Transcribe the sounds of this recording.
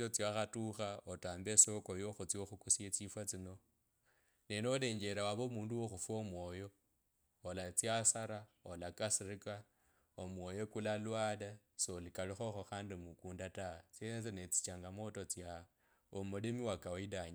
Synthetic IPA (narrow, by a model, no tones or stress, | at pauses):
ot͡siaxatuxaotaːmbesokojoxut͡sioxukusiet͡sifwat͡sino̞ | nenole̞ːɲd͡ʒe̞ɾawaβoːmuːnduwoxufwomwo̞ːjo̞ː | lat͡sjasaɾaolakasirika | omwo̞jo̞kulalwala | solikalixoxoxaːndimukuːndatat͡senet͡senet͡si̥t͡ʃaŋɡamo̞tot͡sja | omulimiwakaoidaɲa